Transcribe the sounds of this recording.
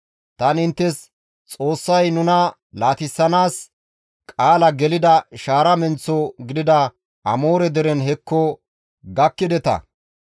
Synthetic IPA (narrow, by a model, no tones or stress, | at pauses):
t̪ɐnɪnt̪ːɛs | t͡sʼo̞ːsːɐjnʊnɐ | laːt̪ɪsːɐnaːs | kʼaːlɐɡɛlɪd̪ɐʃaːɾɐmɛnt͡sːɔɡɪd̪ɪd̪ɐ | ʔɐmo̞ːɾɛd̪ɛɾɛnhɛkːɔ | ɡɐkːɪd̪ɛt̪ɐ̰